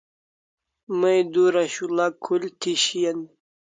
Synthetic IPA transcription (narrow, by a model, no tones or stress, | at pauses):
mɐjd̪uɾaɕulakʰːult̪ʰiɕijɐn